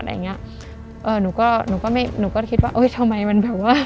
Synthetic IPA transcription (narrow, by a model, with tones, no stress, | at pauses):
t̪̚ʔa̰ː˧˨˩i˦˥ɐ˧ | ʔɤː˧nuː˧˩˦kɔː˥˩nuː˧˦kɔː˥˩ma˥˩jnuː˧˩kɔː˥˩kʰi˦˥t̪̚waː˥˩ʔɤ˦˥˩jt̪ʰa˧ma˧jma˧nbɛː˨˩p̚waː˥˩